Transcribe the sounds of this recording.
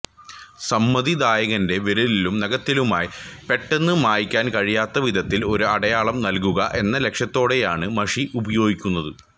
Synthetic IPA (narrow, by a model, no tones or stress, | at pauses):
sɐmːɐðid̪aːjɐɣɐnde̞ʋeɾulilumnɐɣɐt̪ːilumaːjipe̞ʈːe̞nːɨmaːjikʲːaːnkɐɻijaːt̪ːɐʋid̪ʱɐt̪ːilo̞ɾuɐɽɐjaːɭɐmnɐlk̬uɣɐʔe̞nːɐle̞kʂjɐt̪ːo̞ːɽe̞jaːɳɨmɐʂiʔubɐjo̞ːɡikʲːunːɐðɨ